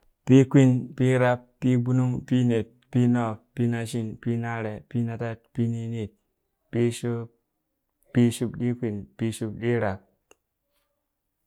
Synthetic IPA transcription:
pi˦kʷi˦npi˦ɾa˦pːi˦ɡu˦nu˦ŋpi˦ne˨t̚pi˦no˦˨p̚pi˦na˦ʃi˦npi˦na˦ɾe˨pi˦na˨ta˦t̚pi˦ni˦ni˦˨t̚ | pi˦ʃo˦p | pi˦ʃu˦bɗi˦kʷi˨npi˦ʃu˦bɗi˦ɾa˨p̚

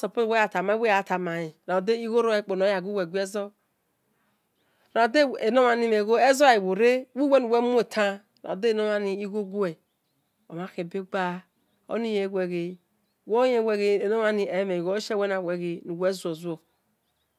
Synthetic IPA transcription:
so˨po˦˨we˦a˨ta˨ma˨˦i˦wa˨ta˨ma˨ji˨ɾa˨de˦i˦ɣo˦ɾo˦e˦˨k͡po˨no˨˦a˨ɡu˦we˨ɡʷi˦e˦zo˦ | ɾa˨de˦e˨no˦ma˨ni˦me˨ɣo˦e˦zo˦˨i˨wo˨ɾe˦wi˦we˦nu˨we˦mu˦e˨tʰa˦ | ɾa̰˨de˦˨no˦ma˦ni˨i˦ɡo˦ɡo˦e˨ | o˨ma˦ke˨be˦ɡ͡ba˦ | o̰˦ni˦je˨˦ɡʷe˨ɣe˨ | wo˦je˦we˦ɣe˦e˨no˦a˦ni˨e˨˦me˨ɡo˨˦ʃe˦we˦na˨we˨ɣe˨nu˨we˦zu˨o˨zu˦o˨

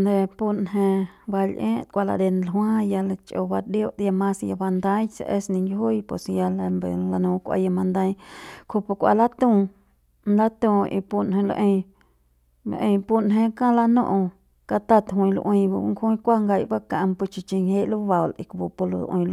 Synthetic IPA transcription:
nd̪e˧pu˧nɦẽ˧ba˧lʔẽː˦t̪̚kʷa˧la̰˧d̪e˧nlɦw̃ã˦ja˧la˧t͡ʃʼʔo̰˧ba˧djo˦ʔd̪ja˧mã˧sja˧ba˧nd̪a˦jt͡sa̰˧ʔe˧snĩ˧ŋɡʲɦu˦jpwe˨sja˧la˧mbḛ˨la˧nũ˧kʷa̰˧ja˧mã˧nd̪a˧jkʰu˧pu˧kʷa̰˧la˦t̪ũ˧ | nla˦t̪ũ˧ḭ˧pu˧nɦẽ˧lʔẽ˧j | ʔẽ˧pu˧nɦẽ˧kã˦la˧nṵ̃˦ʔ | ka˧t̪a˦t̪ɦĩ˧l̰ʔwĩ˧jba˧˦ŋkʰũ˦kʷa˦ŋɡa˧jba˦kã˧˨˧mpu˧t͡ʃi˧t͡ʃi˧ŋhe˦lu˦ba˨wlḭ˨kbu˧pu˧lo̰˧ʔḭ̃˧l

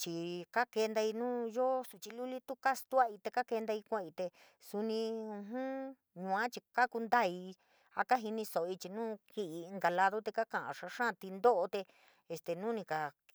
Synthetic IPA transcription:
t͡ʃi˨ka˦ke˧nd̪a˧i˧nũː˦jo˦su˧˨t͡ʃi˧lu˦li˦t̪u˦ka˦st̪u˦a˦˧i˧t̪e˧ka˦ke˧nd̪a˧i˧kʷẽ˦˧˨i˧t̪e˧ | su˧nĩ˧ũ˧ɦũ˦ | ɲũ˧˨ã˦t͡ʃi˧ka˦ku˧nd̪a˦˨i˧ | a̰˦ka˦ɦi˧nĩ˧so˨ʔo˧i˧t͡ʃi˧nũː˦ki˦ʔi˧ŋɡa˧la˧ðo˦t̪e˧ka˦kã˨ʔã̰˨ʂa˧ʂã˦˧t̪i˧nd̪o˦ʔo˧t̪e˧ | e˧st̪e˨nũ˦nĩ˧ka˨

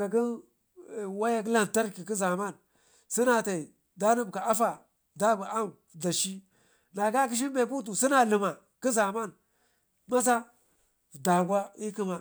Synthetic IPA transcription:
ka˨k̬i˦n˨ | wa˦ja˦ki˦la˨n˨ta˦ɾki˨ki˦za˨ma˦˨n | si˦na˨ta˨i˨ | da˦ni˦bka˨a˦fa˨ | da˦bu˨a˦m | da˨ʃi˦ | na˨ka˦k̬i˦ʃ̬i˦m˦be˨k̬u˦t̬u˨si˦na˨li˨ma˨ | ki˦za˨ma˦˨n | ma˦s̬a˦˨ | da˨ɡʷa˦i˦ki˦ma˨

